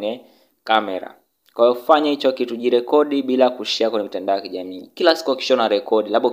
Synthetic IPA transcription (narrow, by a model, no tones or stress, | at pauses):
ɛ | kamɛɾa̰ | kwajɔfaɲahit͡ʃɔkituʄiɾɛkɔɗiɓilakuʃiakwɛɲɛmitandaɔjakiʄamiːkilasi̥kuaki̥ʃɔnaɾɛkɔɗilaɓɔ